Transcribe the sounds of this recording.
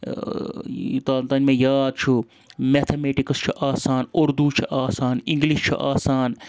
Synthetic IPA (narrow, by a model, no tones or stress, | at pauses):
t̪at̪ɐnmẽːjaːd̪̚t͡ʃʰu | met̪ʰemeːʈikɐst͡ʃʰuʔaːsaːnʊɾd̪ut͡ʃʰuʔaːsaːnĩŋɡliʃt͡ʃʰṵʔaːsaːn